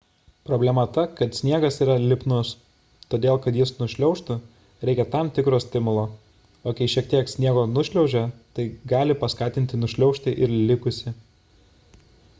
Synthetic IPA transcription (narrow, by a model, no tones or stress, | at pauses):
pɾoːbʲlʲɛmɐt̪ɐkɐt̪sʲnʲiɛɡɐsiːɾɐlʲɪpnʊs | t̪oːd̪ʲeːlˠkɐt̪jɪsnʊʃʲlʲɛʊʃt̪ʊ | ɾʲɛɪkʲɛt̪ɑmt̪ʲɪkɾoːsʲt̪ʲɪmʊlˠoː | oːkʲɛɪʃʲiɛk̚t̪ʲiɛksʲnʲiɛɡoːnʊʃʲlʲɛʊʒʲɛt̪ɐɪɡɑːlʲɪpɐskɑːt̪ʲɪnʲt̪ʲɪnʊʃʲlʲɛʊʃt̪ʲɪʔɪɾlʲɪkʊsʲɪ